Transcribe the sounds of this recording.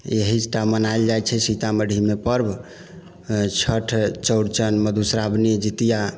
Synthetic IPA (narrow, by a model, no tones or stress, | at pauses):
ḛɦisʈamənaeld͡ʒajt͡ʃʰɛsit̪aməɽʱimepəɾb | t͡ʃʰəʈʰt͡ʃəwɽt͡ʃənməd̪ʱusɾabnid͡ʒit̪ija